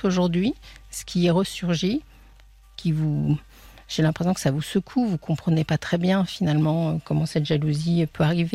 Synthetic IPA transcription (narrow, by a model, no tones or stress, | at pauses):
oʒuʁd̪ɥisə̥kʲiɛʁəsyʁʒi | kʲivu | ʒ̥elɛ̃pχes̬jɔ̃kə̥savusəkʰuvukʰɔ̃pχənepat̪χɛbjɛ̃finalmɑ̃økɔmɑ̃sɛt̪ʒaluzipøaʁive